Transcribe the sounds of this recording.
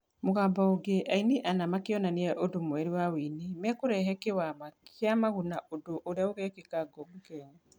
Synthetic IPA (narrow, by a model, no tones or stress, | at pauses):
moɣaːmbɔoɡeʔaineʔanamakeɔnaneɛʔodomoɛɾiwawiːnemɛkoɾɛɦɛkewamaeamaɣunaʔodoʔoɾeaoɣɛkekaɡɔmokɛɲa